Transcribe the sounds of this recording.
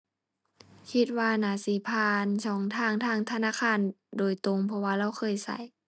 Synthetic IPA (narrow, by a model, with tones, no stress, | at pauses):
kʰi˧t̪̚waː˧naː˨˩˦siː˨˦pʰaː˧˩nt͡ɕʰɔː˨˦ŋt̪ʰaː˧˨ŋt̪ʰaː˧˥˨ŋt̪ʰa˧naː˧˥˨kʰaː˧˨ndoː˨˩jt̪o˧˨ŋpʰɔ˧waː˧˩la˧˩˨wxʰɤː˧˥˨jsa̰˧˦j